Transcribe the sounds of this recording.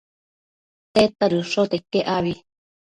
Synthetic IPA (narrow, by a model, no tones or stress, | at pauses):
t̪et̪aɾɯʂot̪ekeʔaβi